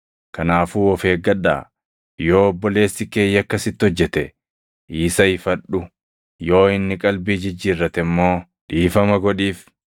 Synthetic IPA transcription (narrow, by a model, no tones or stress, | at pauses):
kɐnaːfuːɔfe̞ːɡɐᶑa̰ː | joːɔbːɔle̞ːsːɪke̞ːjːɐkːɐsɪt̪ːɪhɔd͡ʒːɛt̪ɛ | ʔiːsɐɪfɐᶑʊ | jo̞ːɪnːɪkʼɐlbiːd͡ʒɪd͡ʒːiːrːɐt̪ɛmːo̞ː | ᶑiːfɐmɐɡɔᶑiːf